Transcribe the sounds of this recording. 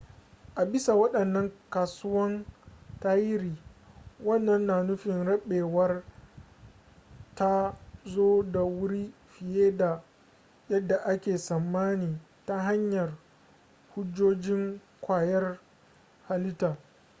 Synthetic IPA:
ʔa˨bɪ˦sa˨wɐ˦ɗɐ˨nːɐ˦ŋkaː˨sʊ˦wɐ˦ntaː˦jɪ˦ɾiː˨wɐ˦nːɐ˦nːaː˨nʊ˦ɸɪ˨nɽɐ˦ɓeː˨wɐ˦r | ta˦zoː˦da˨wʊ˦ɾi˦ɸɪ˨jeː˦da˨ | jɐ˦dːa˨ʔa˦kʲeː˨sɐ˨mːaː˦niː˨ | ta˦ɦa˦ɲjɐ˨r | hʊ˦d͡ʒːoː˦d͡ʒɪ˦ŋ | kʷaː˨jɐ˦r | ha˨lɪ˦taː˨

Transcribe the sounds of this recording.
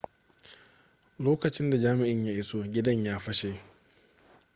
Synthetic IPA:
loː˦kɐ˨t͡ʃɪ˦nda˨d͡ʒaː˦mɪ˨ʔɪ˦ɲjaː˦ʔɪ˨so˦ɡʲɪ˦dɐ˦ɲjaː˦ɸɐ˦ʃe˨

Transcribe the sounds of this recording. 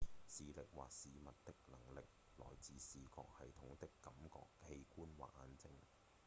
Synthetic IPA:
siː˨lɪ˨k̚wa̰ː˨k̚siː˨mɐ˨t̚t̪ɪ˥k̚lɐ˨˩ŋlɪ˨k̚ | lɔ̰ː˨˩jt͡siː˨˧siː˨kɔ̰ː˧k̚hɐ˨jt̪ʰʊ˨˥ŋt̪ɪ˥kːɐ˨˥mkɔ̰ː˧khe˧jkuː˥nwa̰ː˨˩ʔaː˧nt͡sɪ˥ŋ

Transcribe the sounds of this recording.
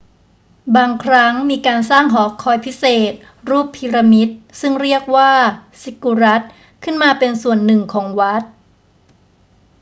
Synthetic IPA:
baː˧ŋkʰɾa˦˥ŋmiː˧kaː˧nsaː˥˩ŋɦɔː˩˦kʰɔː˧jpʰi˦˥seː˨˩t̪̚ | ɾuː˥˩pʰːiː˧ɾa˧mi˦˥t̪̚sɯ˥˩ŋɾi˥˩ək̚waː˥˩si˨˦˥ku˧ɾa˦˥t̪̚ | kʰɯ˥˩nmaː˧pe˧nsu˨˩ənːɯ˨˩ŋkʰɔː˩˦ŋwa˦˥t̪̚

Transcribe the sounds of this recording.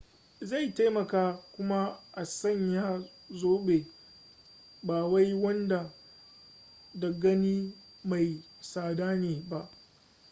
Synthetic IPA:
za˦˨jta˦jmɐ˨kaː˦kʷʊ˦ma˦ʔa˨sɐ˦˨ɲjaː˦ | zoː˦ɓe˨ | baː˨wa˦jwɐ˦nda˨ | dɐ˨ɡɐ˦niː˦ma˨jsaː˨daː˦neː˨ba˦ʔ

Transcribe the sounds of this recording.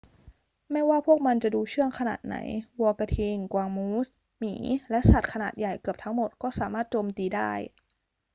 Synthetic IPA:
mɛ˥˩waː˥˩pʰu˥˩ək̚ma˧nt͡ɕa˨˩duː˧t͡ɕʰɯ˥˩əŋkʰa˧na̰ː˨˩t̪̚na̰˩˦jwɔː˧ka˧t̪ʰi˧ŋkwaː˧ŋmuː˦˥s | miː˩˦lɛ˦˥ʔsa˨˩t̪̚kʰa˧naː˨˩t̪̚ja˨˩jkɯ˨˩əp̚t̪ʰa˦˥ŋmo˨˩t̪̚kɔː˥˩saː˩˦maː˥˩t̪̚t͡ɕoː˧mt̪iː˧daː˥˩j

